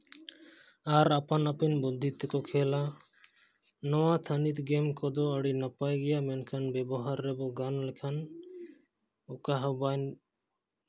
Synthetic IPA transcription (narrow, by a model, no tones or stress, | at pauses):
aɾapanapɛnbɔd̪ʱːit̪ːɛkɔkʰɛla | nɔwat̪ʰanit̪ɡɛmkɔd̪ɔəɽinapajɡɛjamɛnkʰanbɛbɔɦaɾːɛbɔɡanlɛkʰan | ɔkaɦəban